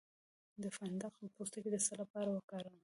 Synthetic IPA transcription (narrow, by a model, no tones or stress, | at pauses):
d̪əfand̪aqəpost̪aked̪əsalapɑɾawəkɑɾaw